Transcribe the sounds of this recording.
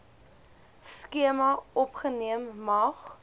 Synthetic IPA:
skiəmɐɔpχəniəmːɐχ

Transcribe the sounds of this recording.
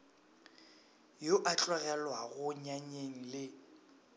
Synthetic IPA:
joʔat͡ɬʼwɛɣɛlwaɣʊɲaɲeŋ̩lɪ

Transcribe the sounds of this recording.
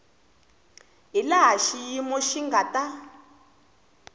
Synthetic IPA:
ɦilaɦaʃijimɔʃiŋɡata

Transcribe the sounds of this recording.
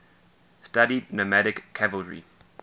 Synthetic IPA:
staɾidnəmæɾɪkʰːɛvəlˠɹḭ

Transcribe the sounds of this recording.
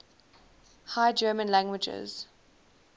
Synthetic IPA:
haɪd͡ʒɜːmə̃nlæ̃ŋɡwɪd͡ʒɪ̰z̥

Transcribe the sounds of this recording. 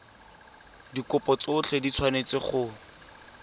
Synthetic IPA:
dikʊpɔt͡sʊt͡ɬʰedit͡sʰwanet͡sɪχʊ

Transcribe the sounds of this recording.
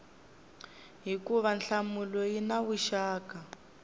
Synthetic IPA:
ɦikuβanɬamulɔjinaβuʃaːka

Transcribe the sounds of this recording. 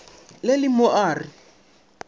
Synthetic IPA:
lelɪmʊaːri

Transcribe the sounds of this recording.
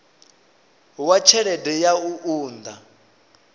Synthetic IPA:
wat͡ʃʰɛɺɛdɛjauʔuːnd̪a

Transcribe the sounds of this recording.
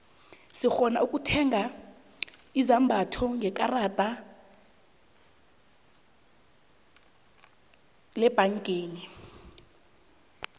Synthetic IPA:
sixɔna̰ukʼutʰɛŋa | izambʱatʰɔŋɡɛkʼarad̥ʱa | lɛb̥ʱaŋkʼeːni

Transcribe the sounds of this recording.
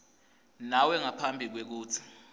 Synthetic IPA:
nawɛŋapʰambʱik̬wek̬uːt͡sʰi̥

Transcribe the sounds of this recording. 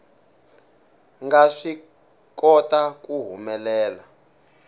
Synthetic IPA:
ŋɡaʂi | kɔtakuɦumɛlɛːla

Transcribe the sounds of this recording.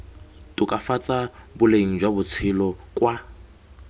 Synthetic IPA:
tʼʊkʼafat͡sʼabʊleŋ̩d͡ʒwabʊt͡sʰɪlɔkʼwa

